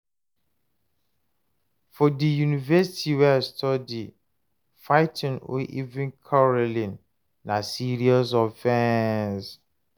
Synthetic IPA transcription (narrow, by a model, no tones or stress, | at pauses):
fɔdijunivɛsitʰiwɛstʰɔdi | faɪtʰɪ̃no̰ʔivɪ̃nkʰɔɹɔlĩnː | ãsiɾiɔs̬ɔfɛ̃ns